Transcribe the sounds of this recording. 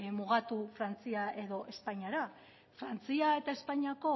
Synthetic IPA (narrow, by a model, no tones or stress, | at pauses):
muɣ̞at̪ufɾant͡siaʔe̞ðo̞ʔe̞spaɲiaɾa | fɾant͡siae̞t̪ae̞spaɲiako̞